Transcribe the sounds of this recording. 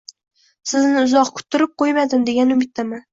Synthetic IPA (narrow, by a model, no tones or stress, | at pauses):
sɪznɪʊzɒqkʰʊ̥t̪ʰːɪɾɪp̚qojmad̪ɪmd̪e̞ɡʲanʊmɪt̪ːaman